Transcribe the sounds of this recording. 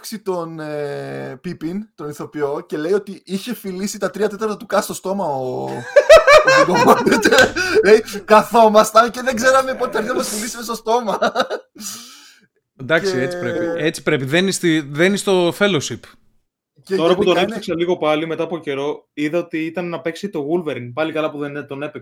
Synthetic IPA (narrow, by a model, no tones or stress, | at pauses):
ksit̪o̞nepipint̪o̞niθo̞pio̞ce̞le̞ijo̞t̪iiçe̞filisit̪ɐt̪ɾiɐt̪e̞t̪ɐɾt̪ɐt̪ukɐst̪o̞st̪o̞mɐo | ɡomonit̪eɾle̞jkɐθo̞mɐst̪ɐnceðe̞ɡze̞ɾɐme̞pot̪it̪ɐɾðɐɐmɐsfilisimest̪o̞st̪o̞mɐ | nd̪ɐksiet͡si̥pɾepiet͡si̥pɾe̞piðenist̪iðenist̪o̞fe̞losip | cet̪o̞ɾɐput̪onepseksɐliɣopɐlime̞t̪ɐːpoce̞ɾo̞iðɐot̪iit̪ɐnːɐpe̞ksit̪o̞ɣulveɾiŋpɐlikɐlɐpuðent̪o̞nepe